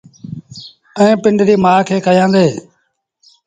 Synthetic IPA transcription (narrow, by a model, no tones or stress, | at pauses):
ẽːpɪɳɖɾiːmaːkʰeːkʰəjãːd̪eː